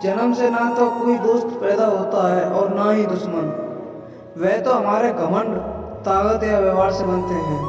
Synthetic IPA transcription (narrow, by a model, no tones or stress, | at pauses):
d͡ʒɐnəmsenat̪okoːid̪oːst̪pɛːd̪aɦoːt̪aɦɛʔɔːɾnaɦĩd̪ʊʃmən | ʋɛːt̪oɦɐmaːɾeɡəməɳɖt̪aːɡət̪jaʋeʋaːɽsebɐnt̪eɦɛ̃ː